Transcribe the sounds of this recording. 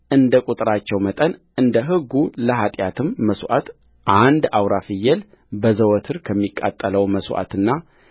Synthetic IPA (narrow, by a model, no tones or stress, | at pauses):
ʔɨnd̪əkʼut̪ʼɾat͡ʃːɛwmət̪ʼənʔɨnd̪əɦɨɡːuləɦat̪ʼjat̪ʰɨmːəswʷʔa̰t̪ | ʔand̪awɾafɨjːɛl | bəzəwɔt̪ʰɨɾkʰəmːikʼːa̰t̪ʼːələwməswʔa̰t̪ɨnːa